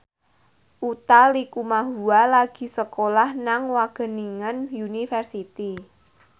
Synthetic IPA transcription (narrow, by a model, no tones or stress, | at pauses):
ʔut̪alikumaɦualaɡ̥i̤səkolahnaŋwaɡ̥ə̤niŋənjunifərsit̪i